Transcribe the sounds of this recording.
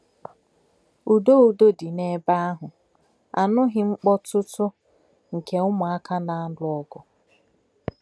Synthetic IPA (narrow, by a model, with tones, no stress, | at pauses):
u˨do˦˨u˨do˦di˨ne˦ba˦a˦ɦʊ˨ | a̰˨nʊ˦ɦɪ˦ŋ͡m̩˦k͡pɔ˦tʊ˦tʊ˦ | ŋ̩˨ke˨ʊ˦mʊ˨a˦kʰa˦na˨˦dʊ˦ɔ˦ɡɔ˨